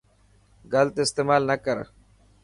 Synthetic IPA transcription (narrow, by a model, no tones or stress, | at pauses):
ɡɐlt̪ɪst̪eːmaːlnɐkəɾ